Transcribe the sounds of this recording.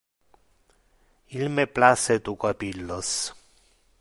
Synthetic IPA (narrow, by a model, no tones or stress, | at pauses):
ilmeplaset̪ukapilːos